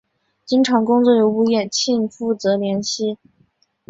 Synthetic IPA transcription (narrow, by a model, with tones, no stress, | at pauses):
t͡ɕi˥ŋʈ͡ʂʰɑ˧˥ŋkʊ˥ŋt͡swɔ˥˩jo˧˥u˥˧jɛ˥˩nt͡ɕʰi˥˧nfu˥˩t͡sɤ˧˥ljɛ˧˥nɕi˥˩